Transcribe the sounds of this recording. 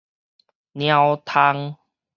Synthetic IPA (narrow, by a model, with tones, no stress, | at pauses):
nj̃ã˧wt̪ʰa˧ŋ